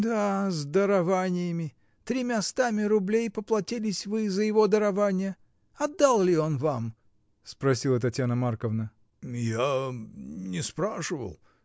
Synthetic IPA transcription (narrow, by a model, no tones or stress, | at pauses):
d̪azd̪əɾɐvanʲɪjəmʲɪ | t̪ɾʲɪmʲast̪amʲɪɾʊblʲejpəplˠɐtʲilʲɪsʲvɨzəjɪvo̞d̪əɾɐvanʲɪjə | ɐd̪ːalˠlʲɪo̞nvam | spɾɐsʲilˠət̪ɐtʲjanəmarkəvnə | ja | nʲɪspɾaʂɨvə̰lˠ